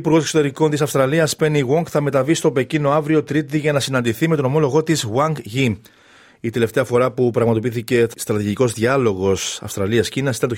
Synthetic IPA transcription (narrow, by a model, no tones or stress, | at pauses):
puɾɣo̞sekso̞t̪e̞ɾiko̞nt̪isɐfst̪ɾɐliɐspe̞niɣoŋɡθɐme̞t̪ɐvist̪o̞pe̞cino̞ɐvɾio̞t̪ɾit̪iʝɐnɐsinɐnd̪iθimet̪o̞no̞mo̞lo̞ɣo̞t̪izɣwɐŋɡʝim | it̪e̞le̞ft̪eɐfo̞ɾɐpupɾɐɣmɐt̪o̞piθice̞st̪ɾɐt̪iʝiko̞zðʝɐlo̞ɣo̞sɐ̰fst̪ɾɐliɐscinɐsit̪ɐt̪o